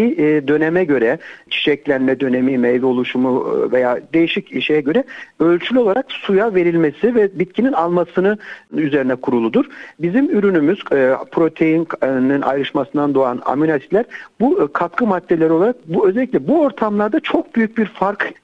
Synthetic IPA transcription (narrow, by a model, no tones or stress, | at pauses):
id̪ø̞nɛmɛɟø̞ɾɛt͡ʃʰi̥ʃɛclʲænmɛd̪ø̞ne̞mimɛjlʲo̞lˠuʃumuve̞jaːd̪e̞jiʃiciʃijɛɟø̞ɾɛø̞lʲt͡ʃʰylʲyo̞lˠaɾaksujave̞ɾilʲmesivɛbit̪̚cʰininalˠmasɯnɯyze̞ɾinɛkʰuɾulˠud̪uɾ̥bizimyɾynymyz̥pʰɾo̞t̪ʰe̞jinnninʔa̰jɾɯʃmasɯnd̪and̪o̞a̰na̰mynasi̥p̪lʲæɾbukʰat̪kʰɯmad̪̥ːeeɾio̞lˠaɾak̚buø̞zɛlʲːiclʲɛbuo̞ɾt̪ʰamlˠaɾd̪at͡ʃʰo̞k̚byjyc̚biɾfaɾk